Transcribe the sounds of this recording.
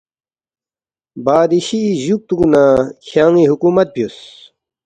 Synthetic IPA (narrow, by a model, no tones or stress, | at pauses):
baːd̪iɕiʑuk̚t̪uknakʰjaːŋiɦukumɐt̪̚pius